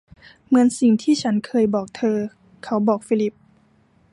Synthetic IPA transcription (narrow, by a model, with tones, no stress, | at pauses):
mɯ˧˥ənsi˨˩ŋt̪ʰiː˥˩t͡ɕʰa˦˥nkʰɤː˧jbɔː˨˩k̚t̪ʰɤː˧ | kʰa˦˥wbɔː˨˩k̚fiː˦˧˥li˦˥p̚